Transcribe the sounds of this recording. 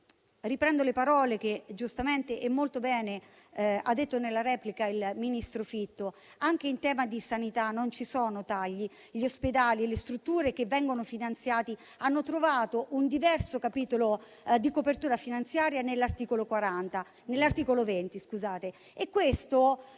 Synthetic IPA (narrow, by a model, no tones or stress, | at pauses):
ripɾɛnd̪olepaɾɔːlek̟ed͡ʒust̪ament̪eʔɛmːolt̪obɛːne | a̰d̪ːet̪ːonelːaɾɛːplikailminist̪ɾofit̪ːo | aŋk̟eint̪ɛːmad̪isanit̪anːont͡ʃisɔːnot̪aʎːi | ʎiosped̪aːlilest̪ɾut̪ːuːɾek̟evːɛŋɡonofinant̪sjaːt̪i | anːot̪ɾovaːt̪oʔund̪ivɛrsokapiːt̪olo | d̪ikopert̪uːɾafinant̪sjaːɾjanelːart̪iːkolokwaɾant̪a | nelːart̪iːkolovent̪iskuzaːt̪e | ekːwest̪o